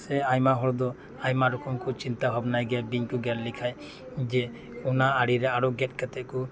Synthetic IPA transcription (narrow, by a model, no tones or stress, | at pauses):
sɛajmaɦɔɾd̪ɔ | ajmaɾɔkʰɔmkut͡ʃint̪abʱabnajɡabiɲkɔɡɛɾlikʰaj | d͡ʒɛ | unaːɽiɾɛaɾɔɡɛt̚kat̪ɛʔkɔ